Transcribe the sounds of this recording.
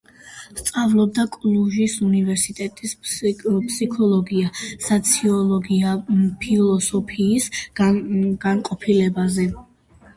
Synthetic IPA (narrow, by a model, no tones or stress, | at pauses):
st̪sʼavlˠɔb̚d̪akʼluʒisunivɛɾsit̪ʼɛt̪ʼispʰʼsikʰɔlˠɔɡiasat̪sʰiɔlɔɡiapʰilˠɔsɔpʰiːs | ɡ̥anqʼɔpʰilɛbazɛ